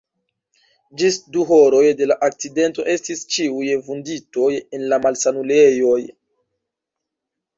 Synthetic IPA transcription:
d͡ʒisduɦo̞ɾo̞jde̞laʔak̚t͡side̞nto̞ʔe̞stist͡ʃiujvundito̞je̞nlamalsanule̞jo̞j

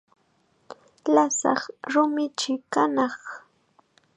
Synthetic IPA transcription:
lasɑ̰χɾʊmɪt͡ʃɪkanɑχ

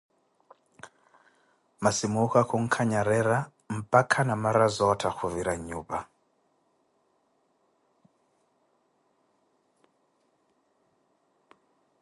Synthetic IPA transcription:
masimukakʰɔŋ̩kʰaɲaɾɛɾa | m̩pʼakʰanamaɾazɔtʰaxʰuviɾaɲuːɓa

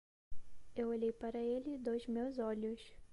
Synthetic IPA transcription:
ewoʎejpaɾɐelɪd̪ojzmewzɔʎʊs

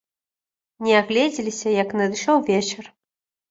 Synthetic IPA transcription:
nʲɛaɣlʲɛd͡zʲilʲisʲɐjɐknɨd̪ɨʂɔwvʲet͡ʃɛr

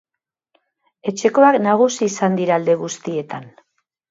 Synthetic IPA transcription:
e̞t͡ʃe̞ko̞aknaɣ̞usiːsand̪iɾaːld̪e̞ɣ̞ust̪ie̞t̪an

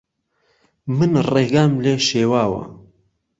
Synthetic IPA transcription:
mɨnreɡamleʃeːwaːwɐ̰

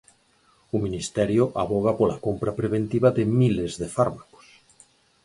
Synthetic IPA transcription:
umĩnist̪ɛɾjoʔaβoɣ̞apolakompɾapɾeβ̞ent̪iβaðemilezðefaɾmako̥s

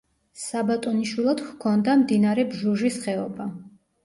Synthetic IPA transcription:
sabat̪ʼɔniʃwilˠad̪χkʰɔnd̪amd̪inaɾɛbʒuʒisχɛɔba

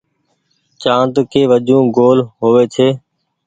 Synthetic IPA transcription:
t͡ʃãːnt̪kʰeːʋəʄũːɡoːlɦoːʋeːt͡ʃʰeː

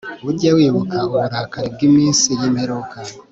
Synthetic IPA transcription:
βuɾɟawiβukaβoɾakaɾib̚ɡimiːnsijimheɾoka

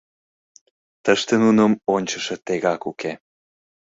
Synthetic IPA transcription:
t̪əʃt̪enunəmonʲt͡ɕəʃet̪eɣɑkuke

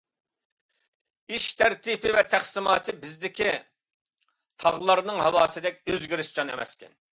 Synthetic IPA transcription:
iʃt̪ʰæɾt̪ipʰɪvɛt̪ʰæχsɪmɑːt̪ʰɨbɪzd̪ɪkʲi | t̪ʰɑʁlˠɑɾnɨŋhɑwɑːsɨd̪ɛk̚ʲøzɡʲiɾɪʃd͡ʒɑnemɛ̰skʲɛ̰n

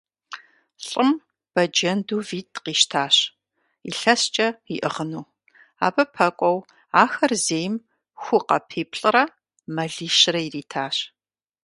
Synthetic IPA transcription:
ɬʼɨm | b̥ɐd͡ʒɐnduːviːtʰqiːʃtʰaːɕ | iɬɐst͡ʃʼɐiʔɨ̰ʁənuː | a̰ːbɐpʰɐkʷʼɔw | aːxɐrzeːjm | xʷʊqɐ̰pʰeːpʰɬʼɨrɐ | mɐɮiːʃrɐiriːtʰaːɕ

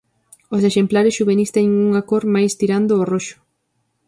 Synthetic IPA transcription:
oseʃemplaɾɪsʃuβenist̪eŋuŋakoɾmajst̪iɾand̪ʊːroʃʊ̥

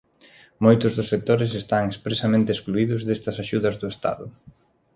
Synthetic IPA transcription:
mojt̪ʊzðʊsːek̚t̪oɾesest̪aŋespɾesamẽnt̪eːskluiðʊzðest̪ɐsaʃuðɐzðʊest̪a̰ðʊ

